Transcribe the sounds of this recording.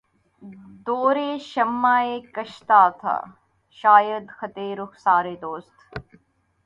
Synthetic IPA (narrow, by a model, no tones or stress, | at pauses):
d̪oːɾeːʃɐmːaːeːkɐʃt̪aːt̪ʰa̰ | ʃaːjəd̪xɐt̪eːɾuksaːɾeːd̪oːst̪